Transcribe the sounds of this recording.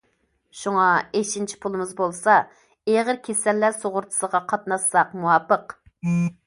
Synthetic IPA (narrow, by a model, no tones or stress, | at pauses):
ʃuŋɑeʃint͡ʃʰi̥pʰulˠɨmɨzbolˠsɑ | eʁəɾkʲʰesɛlːæsoʁʊɾt̪ʰɨ̥səʁɑqʰɑt̪̚nɑsɑqmuwɑpəq